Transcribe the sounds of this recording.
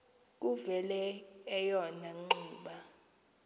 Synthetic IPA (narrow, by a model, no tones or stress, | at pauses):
k̬ʼuvɛlɛːjɔnaŋ͡ǃuːɓa